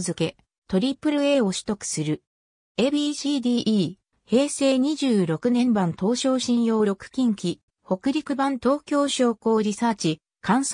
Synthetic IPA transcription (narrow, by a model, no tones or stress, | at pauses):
zɨke̞ | t̪o̞ɾʲipːɯ̟ɾɯ̟e̞ːo̞ɕi̥t̪o̞kɯ̟̥sɨɾɯ̟ | ebiɕiːd̪iːʔː | he̞ːse̞ːɲ̟iʑɨːɾo̞kɯ̟nẽ̞mbãnt̪o̞ːɕo̞ːɕĩɰ̃jo̞ːɾo̞kɯ̟̥kʲĩŋkʲi | ho̞kɯ̟ɾʲikɯ̟bãnt̪o̞ːkʲo̞ːɕo̞ːko̞ːɾʲisaːt͡ɕi | kʰãɰ̃s